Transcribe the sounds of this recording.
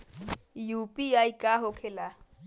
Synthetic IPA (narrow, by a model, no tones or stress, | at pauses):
jupiajkaɦokʰela